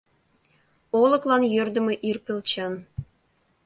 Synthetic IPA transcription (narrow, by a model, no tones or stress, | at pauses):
olˠɤ̆klˠɑnjørd̪ɘ̆mɘ̆ʔirpʲelʲt͡ɕɑn